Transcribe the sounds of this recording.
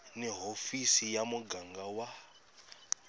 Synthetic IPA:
nɛɦofisijamuɡaŋɡawa

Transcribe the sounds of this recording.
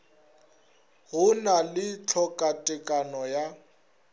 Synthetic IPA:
ɣʊnalɪt͡ɬʰɔkʼatʼɪkʼanɔja

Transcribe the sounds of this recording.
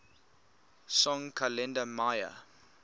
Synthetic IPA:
sɔ̃ŋkʰəlɛ̃ndəmajə̰

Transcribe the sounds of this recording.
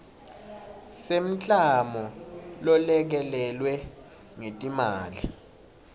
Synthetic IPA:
sem̩t͡ɬʼamɔlɔlɛk̬ɛlɛlwɛ | ŋetʼimaːli

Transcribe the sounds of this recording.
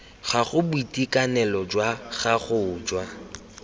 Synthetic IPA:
ɣaɣʊbuitʼikʼanɛlɔd͡ʒwaɣaχʊːd͡ʒwa

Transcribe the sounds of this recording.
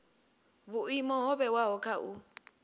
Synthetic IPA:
bʊimɔɦɔbɛwaɦɔkʼaʔʊ

